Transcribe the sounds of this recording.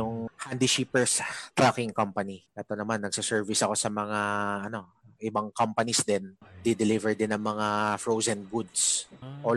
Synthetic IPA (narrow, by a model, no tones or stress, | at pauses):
jʊŋhand̪iʃipɛɹst̪ɾakɪŋkɐmpɐniʔɛt̪o̞nɐmanːɐɡ̚sɪsɛɹvisɐko̞sɐmɐŋaʔɐno̞ | ʔɪbaŋkompɐnisd̪ɛnd̪id̪ɪlivɛɹd̪ɪnɐŋmɐŋafɹowzɛnɡud̪sʔo